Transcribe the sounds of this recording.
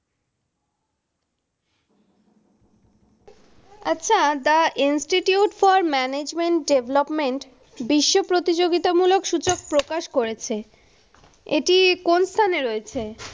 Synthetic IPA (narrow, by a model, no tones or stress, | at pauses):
a̰tːɕʰat̪aʔinsʈiʈiuʈfɔɾmɛned͡ʑmeɳʈɖeblopmeɳʈ | biʃːopɾot̪id͡ʑoɡit̪amulokʃut͡ɕok̚pɾokaʃkoɾet͡ɕʰe | ḛʈikonst̪ʰaneɾoet͡ɕʰe